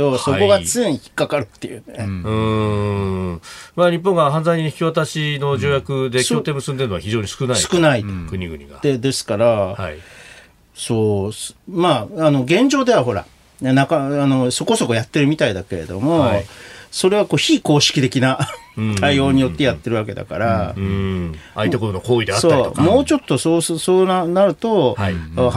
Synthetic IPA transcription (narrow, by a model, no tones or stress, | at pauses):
o̞soko̞ɡat͡sɨ̃ɲçi̥kːakaɾɯ̟t̪ːe̞jɯ̟̰neɯ̃ | maɲ̟ip̬ːõ̞ŋɡaɦãnzaiɲiɲiçi̥kʲiβat̪aɕino̞d͡ʑo̞ːjakɯ̟d̪e̞skot̪e̞ːmɯsɨ̃nd̪eɾɯnoaçiʑo̞ːɲisɨ̥kɯ̟naiɨ̥kɯ̟naikɯ̟ɲ̟iɡɯ̟ɲʲḭɡa̰d̪e̞d̪e̞sɨ̥kaɾaa | so̞ːsmaano̞ɡẽ̞ɲ̟d͡ʑo̞ːd̪e̞βaɦo̞ɾa̰ | nakaano̞so̞ko̞so̞ko̞jat̪ːe̞ɾɯ̟mʲit̪aid̪ake̞ɾe̞̰d̪o̞̰mo̞ | so̞ɾe̞β̞ako̞ːçiːko̞ːɕi̥kʲi̥t̪e̞kʲinat̪aio̞ːɲ̟ijo̞t̪ːe̞jat̪ːe̞ɾɯβake̞d̪a̰ka̰ɾa | ait̪ekot̪onokoːid̪eatso̞ɾɾt̪okmo̞ːt͡ɕo̞t̪ːo̞soːssoːnanaɾɯ̟t̪o̞